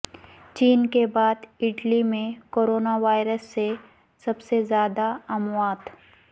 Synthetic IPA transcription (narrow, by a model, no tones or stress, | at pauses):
t͡ʃiːnkebaːd̪ɪʈlimẽkoːɾoːnaʋaːɪɾəsːe | sɐbsezjaːd̪aɐmwaːd̪